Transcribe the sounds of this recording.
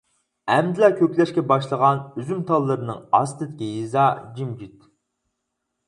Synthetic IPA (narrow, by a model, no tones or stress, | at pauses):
ɛmd̪ɪlɛkʲøpʲlɛʃkʲɛbɑʃlˠəʁɑnyzymt̪ʰɑlˠːɨɾɨnɨŋɑ̰st̪ɨd̪ɪkʲijizɑd͡ʒimd͡ʒit̪